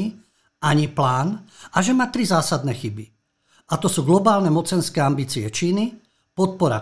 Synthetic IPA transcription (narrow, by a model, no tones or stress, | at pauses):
i | ʔaɲiplaːnaʒɛmaːt̪ɾizaːsad̪nɛxibi | at̪ɔsuːɡlɔbaːlnɛmɔt͡sɛnskɛːambiːt͡siɛt͡ʃiːni | pɔt̪̚pɔɾa̰